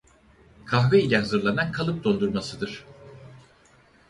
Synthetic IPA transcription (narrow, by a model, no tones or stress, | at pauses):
kʰaɦvɛilʲɛɦazɯɾlˠanankʰalˠɯp̚d̪o̞nd̪uɾmasɯd̪ɯɾ̝̥